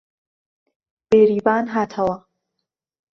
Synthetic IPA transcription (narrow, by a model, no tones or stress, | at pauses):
b̥eːɾiːbaːnɦaːt̪ʰɐwɐ